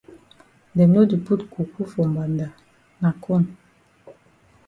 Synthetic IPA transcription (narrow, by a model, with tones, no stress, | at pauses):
ndɛ˨no˦di˨pu˦tku˨ku˦fɔ˨mba˨nda˨ | na˨kʰo˦˨n